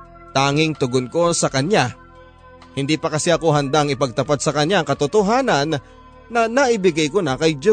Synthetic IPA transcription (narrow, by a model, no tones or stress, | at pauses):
t̪aːŋɪŋt̪ʊɡonko̞sɐkɐɲja | hɪnd̪iːpɐkɐsɛʔɐko̞ɦɐnd̪aɐŋɪpɐɡ̚t̪ɐpat̪̚sɐkɐɲaɐŋkɐt̪ʊt̪oɦaːnɐnː | ɐnaʔɪbɪɡajkonakɐjd͡ʒo